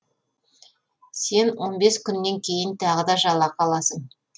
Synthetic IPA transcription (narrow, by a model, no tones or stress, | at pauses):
se̞nwo̞nbe̞skʲʏnːe̞ŋkʲʰe̞jɪnt̪ʰɑʁəd̪ɑʒɑlˠːɑqʰɑlˠɑsəɴ